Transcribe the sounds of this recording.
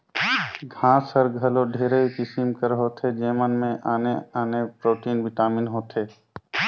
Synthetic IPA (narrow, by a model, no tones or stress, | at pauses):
ɡʱãːsəɾɡʱəloɖʱeːɾəikɪsɪmkəɾɦoːt̪ʰed͡ʒeːmənmẽʔaːneaːnepɾoːʈiːnbiʈaːmɪnɦoːt̪ʰeː